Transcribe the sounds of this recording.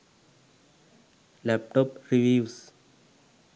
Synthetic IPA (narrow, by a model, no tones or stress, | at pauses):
lɛp̚ʈʰɔp̚riviws